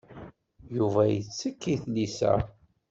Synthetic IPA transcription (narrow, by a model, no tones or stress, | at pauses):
juvæjət͡sːəkːiθlisæ̰